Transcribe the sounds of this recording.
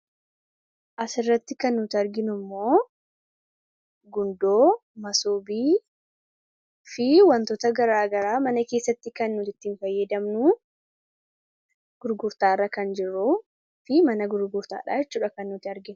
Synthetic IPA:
ʔɐsɪrːɐt̪ːɪkɐnːuːt̪ɪɐɾɡɪnʊmːo̞ː | ɡʊnd̪oːmɐsoːbiː | fɪwɐnt̪ɔt̪ɐɡɐɾaːɡɐɾaːmɐnɐke̞ːsːɐt̪ːɪkɐnːuːt̪ɪt̪ːiːnfɐjːɛd̪ɐmnu | ɡ̥ʊɾɡʊɾt̪aːrːɐkɐnd͡ʒɪrːuː | fɪmɐnɐɡʊɾɡʊɾt̪a̰ːᶑa̰ːjɛt͡ʃːuːᶑɐkɐnːʊːt̪ɪɐɾɡɪnʊ

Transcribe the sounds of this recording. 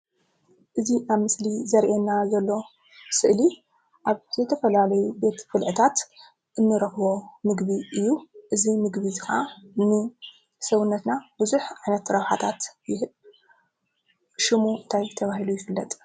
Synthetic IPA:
ʔɨzinaβmɨslizɐɾʔenːazɐlːo̞ | sɨʔli | ʔaβz̥ɨt̪ʰɐfɐlalɐjube̞t̪fɨlʕɨt̪ʰat̪ | ʔɨnːɨɾɐxβo̞mɨɡbiʔɨjːuʔɨzimɨɡβizɨxa̰nɨ | sɐwʊnːɐt̪nab̥ɨzuħʔʕajnɐt̪ːɾɐβħat̪ʰat̪jɪɦɨb | ʃɪmuɨnt̪ʰajt̪ʰɐβahɦilujɪfɨlːɐt̪ʼ

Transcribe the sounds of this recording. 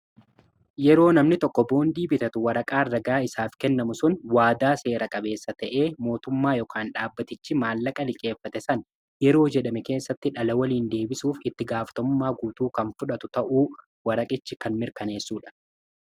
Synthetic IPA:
jɛɾo̞ːnɐmnɪt̪ɔkːɔbo̞ːnd̪iːbɪt̪ɐt̪ʊwɐɾɐkʼaːrɐɡaːɪsaːfkɛnːɐmʊsʊnwaːd̪aːse̞ːɾɐkʼɐbe̞ːsːɐt̪ɐʔe̞ːmo̞ːt̪ʊmːaːjɔkʰaːnᶑaːbːɐt̪ɪt͡ʃːɪmaːlːɐkʼɐlɪkʼe̞ːfːɐt̪ɛsɐn | jɛɾo̞ːd͡ʒɛᶑɐmɛke̞ːsːɐt̪ːɪᶑɐlɐwɐliːnd̪e̞ːbɪsuːfɪt̪ːɪɡaːfɐ̥t̪ɔmːaːɡuːt̪uːkɐnfʊᶑɐt̪ʊt̪ɐʔuː | wɐɾɐkʼɪt͡ʃːɪkɐnmɪɾkɐne̞ːsːuːᶑɐ̥

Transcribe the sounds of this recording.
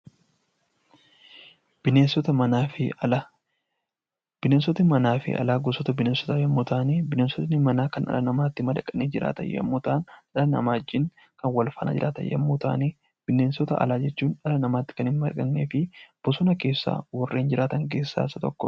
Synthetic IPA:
b̥ɪneːnsɔt̪ɐmɐnaːfɪɐɐ | b̥ɪnensɔt̪nɪmɐnaːfɪ̰ʔɐ̰laːɡɔsɔt̪ɐbɪneːnsɔ̥t̪ɐːjɐmːut̪aːneːbɪneːnsɔt̪nɪmɐnaːkɐnʔɐ̰lɐnɐmaːt̪ːɪmɐd̪ɐkʼɐneːd͡ʒɪɾa̰ːt̪ɐ̰jɐ̰mːuːt̪aːnᶑɐlɐnɐ̰maːd͡ʒːɪŋ | kɐnwɐlfɐna̰ːd͡ʒɪɾʔaːt̪ɐ̰jɐ̰mːut̪a̰ːneː | b̥ɪneːnsɔt̪ɐʔɐ̰laːd͡ʒɛt͡ʃːuːnᶑɐlɐnɐmaːt̪ːɪ̥kɐnhɪnmɐdkʼɐnːḛːfɪb̥ɔsʊnɐke̞ːsːa̰ːwɔrːe̞ːnd͡ʒɪɾaːt̪ɐŋk̬e̞ːsːa̰ːɪsɐt̪ɔkːɔ

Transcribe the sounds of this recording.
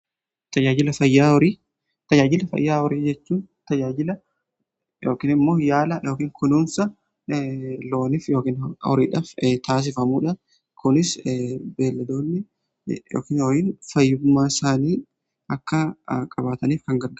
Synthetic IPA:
t̪ɐd͡ʒaːd͡ʒɪlɐfɐjːaːɔɾiː | t̪ɐd͡ʒaːd͡ʒɪlɐfɐ̰jːaːhɔɾiːd͡ʒɛt͡ʃːuːnt̪ɐd͡ʒaːd͡ʒɪlɐ | joːkiːnɪmːo̞ːjaːlɐjʔo̞ːkiːŋkʰʊnuːnsɐ | lo̞ːnɪfjo̞ːkiːnɔ̰ɾiːᶑaːft̪aːs̬ɪfɐmuːᶑɐ | kʊnɪsbeːlːɐd̪oːnːɪ | jo̰ːkiːnɔjɪnfɐjːʊɡʊmːaːɪsaːniː | ɐkːɐkʼɐbaːt̪ɐniːfkɐŋɡɐɾɡɐ

